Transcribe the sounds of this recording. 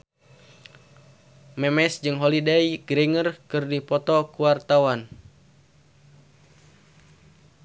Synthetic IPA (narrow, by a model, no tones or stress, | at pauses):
mɛmɛsd͡ʒɨŋɦɔlidɛjɡɾiŋərkɨrdipɔt̪ɔkuwart̪awan